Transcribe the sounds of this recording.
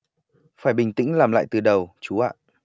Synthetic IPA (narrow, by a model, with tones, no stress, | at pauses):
faː˧˩jɓï˨˩ŋ̟t̪ḭ˧˥ŋlaː˨˩mla̰ː˧˨jt̪ɨ˨˩ɗə˨˩wt͡ɕu˨˦a̰ː˧˨